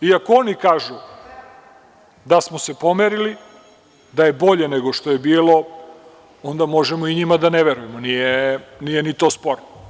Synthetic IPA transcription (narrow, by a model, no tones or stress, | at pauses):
iakoonikaːʒu | d̪asmose̞po̞meɾili | d̪aje̞bo̞ʎe̞neɡoʃt̪o̞jebiːlo̞ | o̞nd̪amo̞ʒemoiɲimad̪aneʋeɾujemonijenijenit̪o̞spoɾno